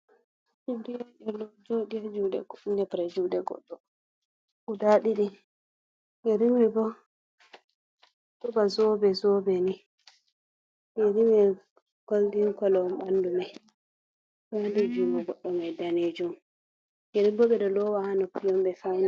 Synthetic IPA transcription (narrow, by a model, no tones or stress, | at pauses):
d͡ʒibdiaɗɛlɔd͡ʒodiad͡ʒudɛ̰nɛpɾɛd͡ʒudɛɡɔ̰ɗːɔ | udaɗiɗi | jɛɾimwibɔ | tɔbazɔbɛzɔbɛni | nɛɾimɛ | ɡ̥oldiŋkɔlɔmɓandumaj | ɗɔwandud͡ʒumɔɡɔɗːɔmajdaned͡ʒum | jɛɾibɔɓɛɗɔlɔwahanɔpijɔmɓɛfana